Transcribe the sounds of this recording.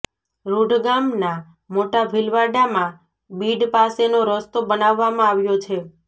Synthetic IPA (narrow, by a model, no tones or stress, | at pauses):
ɾuɖʱɡamna | moʈabʱilʋaɖamã | biɖpasenoɾəst̪obənaʋːamãaʋjot͡ʃʰe